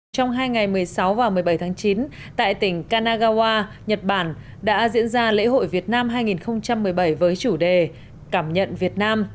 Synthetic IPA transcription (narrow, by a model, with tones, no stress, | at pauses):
t͡ɕɔ˧wŋ͡mɦaː˧jŋa˨˩jmɨ˨˩əjsa˨˦wvaː˨˩mɨ˨˩əjɓə˧˩jt̪ʰaː˨˦ŋt͡ɕi˨˦n | t̪a̰ː˧˨jt̪ï˧˩ŋ̟kaː˧naː˧ɣaː˧waː˧ | ɲə˨˩t̚ɓaː˧˩n | ɗa̰ː˧˥zḭ˧˥ənzaː˧lḛ˧˥ɦo̰˧˨jvi˨˩ət̚naː˧mɦaː˧jŋi˨˩nxə˧wŋ͡mt͡ɕa˧mːɨ˨˩əjɓə˧˩jvəː˨˦jt͡ɕu˧˩ɗe˨˩ | kaː˧˩mɲə̰˧˨nvi˨˩ət̚naː˧m